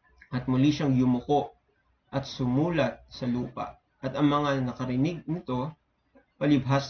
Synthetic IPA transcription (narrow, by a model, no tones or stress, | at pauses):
ʔɐt̪̚mʊliʃɐŋjʊmʊko̞ʔ | ʔɐt̪sʊmuːlɐt̪̚sɐluːpɐ̰ʔ | ʔɐt̪ɐŋmɐŋanɐkɐɾɪnɪɡ̚nɪt̪o̞ | pɐlɪbɦas